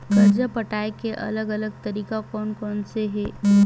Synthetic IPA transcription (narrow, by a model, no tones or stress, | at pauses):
ɡɐɾd͡ʒapɐʈaːekeʔɐ̰ləɡɐləɡ̚t̪ɐɾiːkakɔːnkɔːnseɦɛː